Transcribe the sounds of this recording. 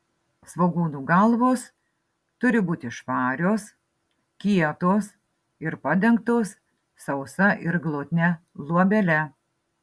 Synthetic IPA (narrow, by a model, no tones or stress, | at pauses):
sʋoːɡuːnuːɡɐlˠʋoːs | t̪ʊɾʲɪbuːt̪ʲɪʃpɑːɾʲoːs | kʲiɛt̪oːs | ɪɾpɐd̪ʲɛŋkt̪oːs | sɐʊsɐʔɪɾɡlˠoːt̪ʲnʲɛlˠuɔbʲɛlʲɛ